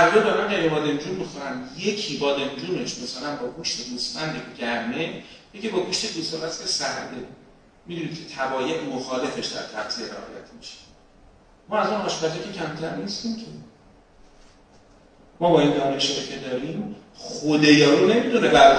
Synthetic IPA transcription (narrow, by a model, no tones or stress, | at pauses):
æɾdɒːbamænkæɾebɒːd̪e̞md͡ʒunmixoɾæmje̞cʰibɒːd̪e̞md͡ʒuːneʃmæsælænbɒːɡuːʃt̪e̞d̪uːsmænd̪eɡɟæɾmejecibɒːɡuʃt̪ed̪usɒlæscesæhd̪e | mid̪unid̪̥̚cʰet̪ʰæbɒːjeʔmoxɒːle̞fe̞ʃd̪æ̰ɾt̪ʰæ̰b̥sieɾḛhɒ̰ːjæ̰t̪ʰmiʃe̥ | mɒːæzunhɒːʃbææcʲʰe̞cʰæmt̪ʰæɾnist̪imcʲʰe | mɒːbɒːind̪ɒːne̞ʃɒcʰe̞d̪ɒːɾiːmχod̪ejɒːɾuːne̞mid̪unebæ